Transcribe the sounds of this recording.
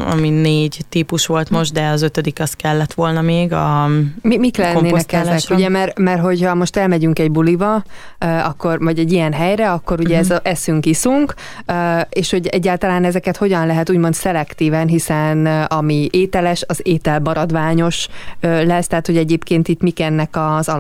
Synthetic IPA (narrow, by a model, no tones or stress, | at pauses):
ɒ̰mineːɟt̪ipuʃʋo̞lt̪mo̞ʒd̪ɛɒzøt̪ød̪ikɒskɛlːɛt̪ʋo̞lnɒmeːɡɒmimiklɛnːeːnɛkɛzɛkuɟɛmɛrmɛrɦo̞chɒmo̞ʃt̪ɛlmɛɟyŋkɛɟbulivɒ | øɒkːo̞rvɒɟɛɟːijɛnɦɛjɾɛɒkːo̞ɾuɟɛɛzʔɛsyŋkisuŋk | øeːʃho̞ɟɛɟːaːlt̪ɒlaːnɛzɛkɛt̪ho̞ɟɒnlɛɦɛt̪uːɟmo̞nt̪sɛlɛkt̪iːvɛnɦisɛnɒmieːt̪ɛlɛʃɒzeːt̪ɛlbɒɾɒd̪ʋaːɲo̞ʃølɛst̪ɛɦaːt̪ho̞ɟɛɟeːpkeːnt̪it̪mikɛnːɛkɒzɒl